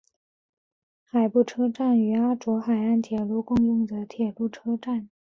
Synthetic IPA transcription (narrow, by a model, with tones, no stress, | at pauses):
xa˨˩ɪpu˥˩ʈ͡ʂʰɤ˥ʈ͡ʂa˥˩ny˧˥a˥ʈ͡ʂwɔ˧˥xa˨˩ɪa˥˩nt̪ʰjɛ˨˩lu˥˧kʊ˥˧ŋjʊ˥˩ŋd̪ə˩t̪ʰjɛ˨˩lu˥˩ʈ͡ʂʰɤ˥ʈ͡ʂa˥˩n